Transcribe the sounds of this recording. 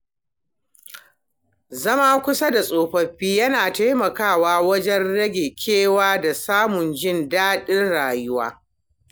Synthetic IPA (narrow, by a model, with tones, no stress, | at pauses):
zɐ˦maː˦kʷʊ˦sɐ˦da˨sʼoː˨ɸɐ˦ɸiː˦jɐ˦naː˨ta˦jmɐ˨kaː˦˨waː˦wɐ˦d͡ʒɛ˦nɽɐ˦ɡʲe˨kʲʰeː˦waː˦da˨saː˦mʊ˨nd͡ʒɪ˦ndaː˦ɗɪ˦rɽaː˨jʊ˦waː˦